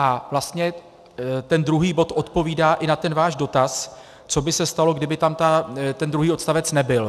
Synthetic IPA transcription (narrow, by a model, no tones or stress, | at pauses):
ʔavlast̪ɲɛ | t̪ɛnd̪ɾuɦiːbo̞t̪ʔo̞t̪po̞viːdaːʔɪnat̪ɛnvaːʒdo̞t̪as | t͡so̞bɪsɛst̪alo̞ɡdɪbɪt̪amt̪at̪ɛnd̪ɾuɦiːo̞t̪st̪avɛt͡snɛbɪl